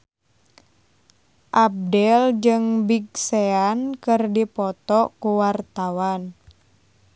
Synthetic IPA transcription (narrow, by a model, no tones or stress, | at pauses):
ʔab̚dɛld͡ʒɨŋbiɡseankɨrdipɔt̪ɔkuwart̪awan